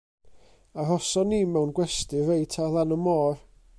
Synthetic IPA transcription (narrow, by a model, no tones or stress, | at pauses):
arɔsɔniːmɛwnɡwɛstɨvejtʰalˠanɔmɔːr